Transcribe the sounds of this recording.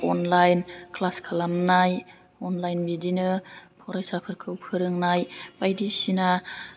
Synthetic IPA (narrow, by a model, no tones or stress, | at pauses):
ɔnlajnkʰlaskʰalamnaj | ɔnlajnbidinɯpʰɔɾajsapʰɯɾkʰɯwpʰɯɾɯŋnajbajdisina